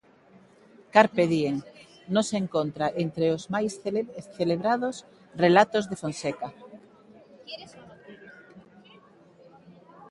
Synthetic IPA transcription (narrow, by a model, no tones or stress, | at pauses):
kaɾpeðieŋ | nõseːŋkont̪ɾaʔent̪ɾeozmajsθeleβɾaðos | relat̪ozðefonseka